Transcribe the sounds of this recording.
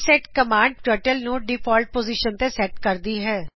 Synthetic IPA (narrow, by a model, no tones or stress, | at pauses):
sɛːʈkəmaːɳɖ̚ʈəːʈəlnũːɖiːpʰɔːlʈ̚poːziːʃənt̪eːsɛːʈkəɾd̪iːɦɛː